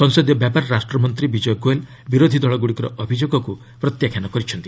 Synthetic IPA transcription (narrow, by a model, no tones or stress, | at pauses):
sɔnsɔd̪ijɔbjapaɾɔɾasʈɾɔmɔnt̪ɾibid͡ʒɔjɡoel | biɾod̪ʱid̪ɔɭɔɡuɽikɔɾɔʔɔbʱid͡ʒoɡɔku | pɾɔt̪jakʰjanɔkɔɾit͡ʃʰɔnt̪i̥